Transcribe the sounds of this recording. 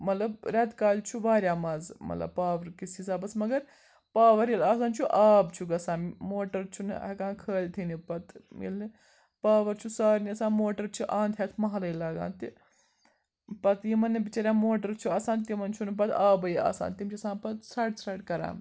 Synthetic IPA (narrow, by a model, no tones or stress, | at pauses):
mɐt̪lɐbɾʲɛt̪kaːlt͡ʃʰuʋaːɾʲjaːmɐzmɐ̰t̪lɐ̰b̚paːʋɐɾkisizaːbɐsmɐɡɐɾ | paːʋɐɾilaːsaːnt͡ʃʰuʔaːbt͡ʃʰuɡɐsãːmmoːʈɐɾt͡ʃʰun̰kãːkʰəːlʲt̪ʰinipɐt̪mḭlni | paːʋɐɾt͡ʃʰusaːɾniɐsaːmoːʈɐɾt͡ʃʰuʔãːnt̪ʰjɛt̪ʰmɐɦɐlɐilaːɡa̰ːnt̪i | pɐt̪jimɐnːibit͡ʃɐɾʲjãːmoːʈɐɾt͡ʃʰuɐsãːnt̪imɐnt͡ʃʰunp̬ɐt̪aːbɐia̰ːsa̰ːnt̪imt͡ʃʰuɐsãːnpɐt̪sɾɐʈsɾɐʈkɐɾa̰ːm